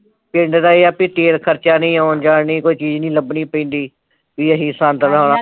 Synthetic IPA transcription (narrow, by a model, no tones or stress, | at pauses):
pɪɳɖd̪aːeːaːpiːt̪eːlkʰəɾt͡ʃaːnĩːaːnd͡ʒaːnĩːkoːiːt͡ʃiːd͡ʒnĩːləbnĩːpĩːnd̪iː | biːəɦiːsãnt̪əlaːnaː